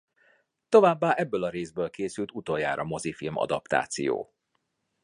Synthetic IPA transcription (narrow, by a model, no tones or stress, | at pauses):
t̪o̞vaːbːaːʔɛbːøːlɒɾeːzbøːlkeːsylt̪ut̪ojaːɾʔɒmo̞zifilmɒ̰d̪ɒpt̪a̰ːt̪sijo̰ː